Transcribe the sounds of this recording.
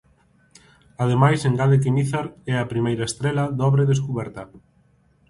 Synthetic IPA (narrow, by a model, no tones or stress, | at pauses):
að̞emajseŋɡaðek̬imiθaɾɛɐpɾimejɾɐest̪ɾɛlɐðɔβɾeðeskuβɛɾt̪ɐ